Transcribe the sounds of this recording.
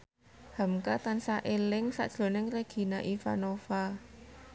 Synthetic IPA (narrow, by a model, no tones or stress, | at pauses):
ha̤mkat̪ansaʔelɪŋsa̰ʔd̥ʒ̥lo̤nɪŋreɡ̥i̤naʔifa̰nofa